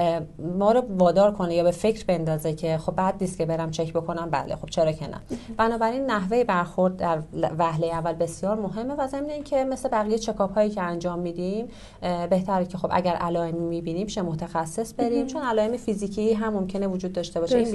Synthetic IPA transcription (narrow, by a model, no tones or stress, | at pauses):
mɒːɾɔvɒːd̪ɒːɾkʰo̞nejɒːbe̞fe̞cʰɾbe̞nd̪ɒːzecʰe̞xo̞b̚ːæd̪̚niːst̪kcʰe̞be̞ɾæmt͡ʃʰe̞cbo̞kʰo̞næmbæ̰lexo̞b̥̚t͡ʃʰe̞ɾɒːcʰenæ̰b̥ænɒːbæɾinːæɦve̞jebæɾxo̞ɾd̪̚d̪æɾvæhlejeævːælbe̞sijɒːɾmo̞ɦe̞mːe̞væze̞mneiːncʰe̞me̞sle̞bæɣijejt͡ʃʰe̞kʰɒːbhɒːjiːcʰeænd͡ʒɒːmːiːd̪im | be̞ht̪ʰæɾecʰe̞xo̞bʔæ̰ɟæɾʔælɒːemimibiniːmiʃemo̞t̪ʰæxæsːe̞sbe̞ɾimt͡ʃʰo̞nælɒːemefiziːcʰiːɦæmːo̞mcʰe̞nevod͡ʒuːd̪̚ːɒːʃt̪e̞bɒːʃei